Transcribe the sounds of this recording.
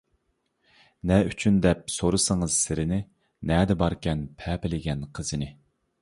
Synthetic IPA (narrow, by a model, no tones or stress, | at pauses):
nɛyt͡ʃʰynd̪ɛp̚soɾɨsəŋəz̥sɪɾɪnɪ | nɛd̪ɛbɑɾkʲɛnpʰɛːpɪlɪɡʲɛnqʰəz̥ɨnɪ